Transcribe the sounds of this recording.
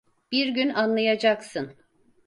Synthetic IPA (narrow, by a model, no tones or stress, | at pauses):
b̥iɾɟynanlˠajad͡ʒaksɯn